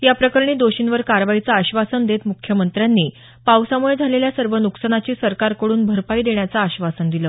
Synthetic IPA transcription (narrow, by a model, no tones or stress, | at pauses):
japɾəkəɾɳiːd̪oɕinʋəɾkaɾʋait͡saːɕʋasənd̪et̪mukʰjəmənt̪ɾjanːiː | pawsamuɭed͡zʱaleljasəɾʋənuksəɳ̃at͡ɕiːsəɾkaɾkəɽuːnbʱəɾpaiːd̪eɳjat͡saːɕʋasənd̪iləː